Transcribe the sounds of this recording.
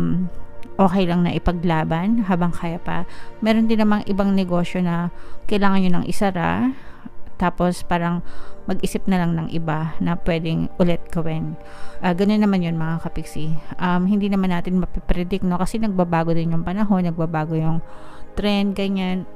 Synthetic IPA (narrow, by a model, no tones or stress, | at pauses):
mʔo̞ːkɛjlɐŋnɐʔɪpɐɡlaːbɐnɦaːbɐŋkaːjɐpɐ̰mɛːɾond̪ɪnːɐmaŋʔɪbaŋnɛɡo̞ːʃjo̞nɐkɐjlaːŋɐnjonɐŋʔɪ̰sɐɾa̰ | t̪aːpo̞spaːɾɐŋmɐɡ̚ʔiːsɪp̚nɐlaŋnɐŋʔɪ̰banɐpwɛːd̪ɪŋʔʊlɛt̪̚ɡɐwɪnʔɐɡɐno̞nːɐmanjonmɐŋakɐpɪɡsiʔɐmɦɪnd̪iːnɐmanːaːt̪ɪnmɐpɛpɾɛd̪ɪk̚no̞kɐsɛnɐɡ̚babaːɡo̞d̪ɪnjʊŋpɐnɐɦo̞nːɐɡ̚babaːɡojʊŋt̪ɾɛnd̪̚ɡɐɲan